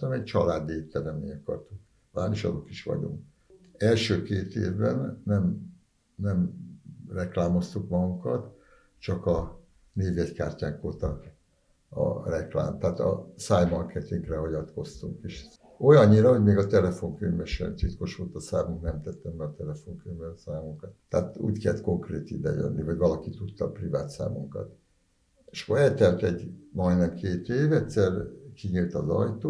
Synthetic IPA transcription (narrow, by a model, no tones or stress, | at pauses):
ɛmɛct͡ʃɒlaːd̪iet̪ːɛlɛmḛːɲɒkɒ̰rt̪uŋk | vaːniʃɒ̰d̪okiʃʋɒ̰ɟo̰ŋk | ɛlʃøːkeːt̪ḛːvbɛnːɛm | nɛmrɛklaːmo̞st̪ukmɒɡuŋkɒ̰t̪ | t͡ʃɒkɒ | neːvjɛcka̰ːrcaːŋkoːt̪ɒ | ɒ̰rɛkla̰ːmt̪aaːt̪ɒ̰saːjmɒrkʰɛt̪iŋklɛɦɒɟɒt̪ko̞st̪uŋkeːʃ | o̞jɒɲːiɾɒɦo̞ɟmeːɡɒt̪ɛlɛfo̞ŋkøɲvɛʃɛ̰nt̪it̪ko̞ʃʋolt̪ɒsaːmuŋknɛmt̪ɛt̪ːɛmbɛɒt̪ɛlɛfo̞ŋkøɲvɛsaːmuŋkɒt̪ːɛːt̪ṵːckɛlt̪ko̞ŋkreːt̪id̪ɛ̰jø̰nːʔivɒɟvɒlɒkit̪ut̪ːɒ̰privaːt̪sa̰ːmuŋkɒ̰t̪ | eʃkoɾɛt̪ɛmt̪ɛɟmɒjnɛmkʰeːt̪eːvɛtsɛrkiɲilt̪ɒzɒjt̪oː